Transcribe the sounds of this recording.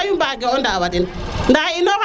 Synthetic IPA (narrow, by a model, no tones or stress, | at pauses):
jumbaɡɛɔndawadinndainɔka